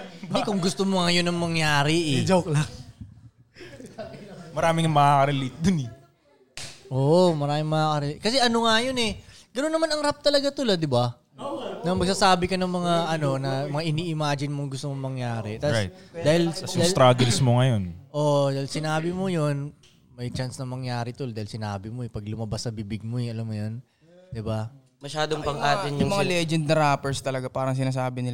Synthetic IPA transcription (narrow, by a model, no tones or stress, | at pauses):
nd̪ɛkʊŋɡʊst̪omoŋɐjonɐŋmɐŋjaːɾɪʔɛd͡ʒoklaŋ | mɐɾaːmɪŋɐmɐakɐɾɛlit̪̚d̪ʊnɛ | ʔoːʔmɐɾaːmɪŋmɐakɐɾɛlit̪̚kɐsɛʔɐnoŋajonɛ | ɡ̥ɐnonːɐmanɐŋɾap̚t̪ɐlɐɡat̪ʊlɐd̪ːɪba | nɐmɐɡ̚sasaːbɪkɐnɐŋmɐŋaʔɐno̞nɐmɐŋaʔɪniːʔɪmaːd͡ʒɪnmoŋɡʊst̪omoŋmɐŋjaːɾɛt̪ad̪aːhɪld̪aːst̪ɾaɡɛlsmoŋɐjonʔod̪aːhɪlsɪnaːbɪmojo̞n | mɐjt͡ʃansnɐmɐŋjaːɾɪt̪ʊld̪aːhɪlsɪnaːbɪmoɛpɐɡlʊmɐbasɐbibɪɡ̚moɛɐlamːojon | d̪ɪba | mɐʃaːd̪oŋpɐŋʔaːt̪ɪnjʊŋmɐŋalɛd͡ʒɛnd̪̚nɐɾaːpɛɹst̪ɐlɐɡapaːɾɐŋs̬ɪnaːs̬aːbɪnɪl